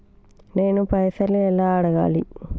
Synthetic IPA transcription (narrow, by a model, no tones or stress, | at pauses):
neːnupɐjsɐlɛlːaːɐɽɐɣa̰ːli